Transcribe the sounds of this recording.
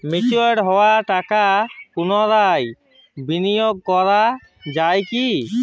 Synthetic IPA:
mit͡ʃueɽɦɔwaʈakakunɔɾaj | binijoɡ̚kɔɾa | d͡ʒajki

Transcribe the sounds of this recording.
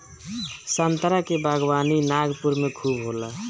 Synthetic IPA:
sənt̪ɾakebʱaɡwaninaɡpuɾmekʰubɦolə

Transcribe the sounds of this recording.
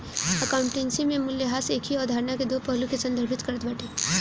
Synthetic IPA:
əkaːʊ̃ɳʈẽːnsimẽmʊljəɦaːseːkʰɦiɔːɾd̪ʱaːɾnaked̪oːpəɦlũkesɐ̃nd̪ʱəɾbʱɪt̪kɐɾət̪bəːʈʰeː

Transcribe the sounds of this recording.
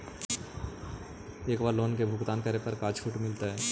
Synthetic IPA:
eːkʋaːloːnkebʱʊɡt̪aːnkəɾepɐɾkaːt͡ʃfʰʊʈmɪlt̪aɦɛː

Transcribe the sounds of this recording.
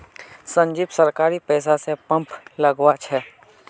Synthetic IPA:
sə̃ɲd͡ʒiːbsəɾkaːɾipɛːs̬asepə̃mpləɡwat͡ʃʰɛː

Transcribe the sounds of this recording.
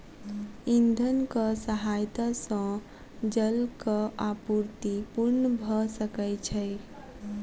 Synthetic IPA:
ind̪ʱənkəsəɦajt̪asə̃ | d͡ʒəlkəapuɾt̪ipuɾnəbʱəsəkəjt͡ʃʰəj

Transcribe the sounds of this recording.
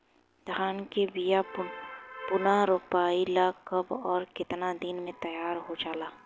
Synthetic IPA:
d̪ʱaːnkebija | pʊnaɾopaːilakɐbɔːɾkɪt̪nad̪inmẽt̪ɐjaːɾɦod͡ʒaːlaː

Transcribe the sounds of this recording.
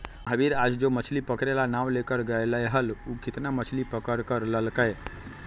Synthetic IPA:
ɦəbiɾad͡ʒd͡ʒomət͡ʃʰlipəkɾelanaʋlekəɾɡəeləjɦəlukɪt̪namət͡ʃʰlipəkəɾkəɾləlkəj

